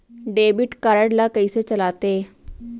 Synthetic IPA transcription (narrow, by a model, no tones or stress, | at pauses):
ɖeːbɪʈkaɾəɽlaːkəiːseːt͡ʃəlaːt̪eː